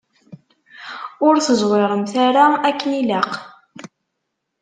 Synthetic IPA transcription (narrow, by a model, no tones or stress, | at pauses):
ʊɾθəzwɪɾˤəmθaɾaækːənilaq